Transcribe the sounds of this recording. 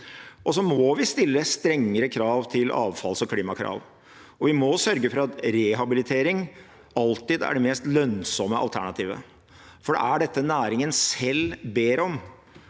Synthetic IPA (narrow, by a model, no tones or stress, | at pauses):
ʔɔsɔmɔʋɪst̪ɪlːəst̪ɾɛŋːəɾəkʰɾɑːʋt̪ʰɪlʔɑ̰ːʋfɑlsɔkʰliːmɑkʰɾɑ̰ːʋ | ɔʋɪmɔsœɾɡəfɔɾɑt̪ɾɛɦɑbɪlɪt̪ʰeːɾɪŋ | ɑlt̪ɪd̪æ̰ɖɛmɛːst̪lœnsɔməʔɑ̰lt̪ʰæɳɑt̪ʰiːʋə̰ | fɔɖɛ̰æɖɛt̪ːənæːɾɪŋənsɛlbeːɾɔm